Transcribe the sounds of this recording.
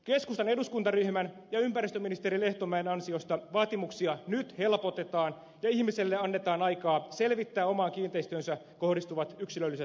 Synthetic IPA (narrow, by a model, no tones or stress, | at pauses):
ke̞skust̪ɑne̞duskunt̪ɑryhmæn | jɑympæɾist̪øminist̪eɾile̞ht̪o̞mæenɑnsio̞st̪ɑʋɑːt̪imuksiɑnyt̪he̞lpo̞t̪e̞t̪ɑːn | jɑihmiselːeɑnːet̪ɑːnɑjkɑːse̞lʋit̪ːæːo̞mɑːŋkiːnt̪eist̪yønsæ | ko̞hdist̪uʋɑt̪yksilølːiset̪